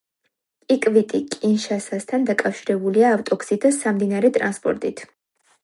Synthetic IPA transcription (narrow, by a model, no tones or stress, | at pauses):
kʼikʼvit̪ʼikʼinʃasast̪ʰand̪akʼafʃiɾɛbuliaːft̪ʼɔksid̪asamd̪inaɾɛt̪ʼɾanspʼɔ̰ɾt̪ʼit̪ʰ